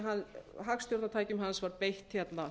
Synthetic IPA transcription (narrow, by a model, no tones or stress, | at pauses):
ɦanɦaxst̪jɔwɾt̪at̪ʰaːjcʏmɦansvaɾpejht̪çɛt̪na